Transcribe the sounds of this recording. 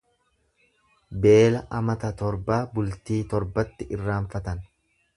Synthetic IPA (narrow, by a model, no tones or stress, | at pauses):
be̞ːlɐʔɐmɐt̪ɐt̪ɔɾbaːbʊlt̪iːt̪ɔɾbɐt̪ːɪʔɪrːaːɱfɐt̪ɐn